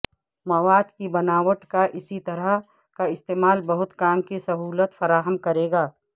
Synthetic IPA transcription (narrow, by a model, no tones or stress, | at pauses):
mɐʋaːd̪kibɐnaːʋəʈkaʔɪsit̪ɐɾəɦ | kaɪst̪eːmaːlbɐɦʊt̪kaːmkisɐɦuːlət̪fɐɾaːɦəmkɐɾeːɡaː